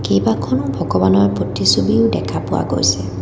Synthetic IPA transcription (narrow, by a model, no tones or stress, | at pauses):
kejbakʰɔnʊbʱɔɡɔbanɔɹpotisubiʊdɛkʰapʊwa̰ɡo̰jsɛ